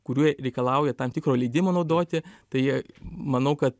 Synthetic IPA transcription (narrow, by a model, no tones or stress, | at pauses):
kʊɾʲuːɾʲɛɪkɐlˠɐˑʊjɛt̪ɐmt̪ʲɪkɾoːlʲɛɪd̪ʲɪmoːnɐʊd̪oːt̪ʲɪt̪ɐɪjiɛmɐnɐʊkɐt̪